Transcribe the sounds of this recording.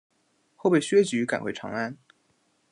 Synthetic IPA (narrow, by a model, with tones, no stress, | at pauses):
xo˥˧ʊpe˥˩ɕɥɛ˥t͡ɕy˧˥ka˨˩nxwe˥ɪʈ͡ʂʰɑ̰˧˥ŋa˥n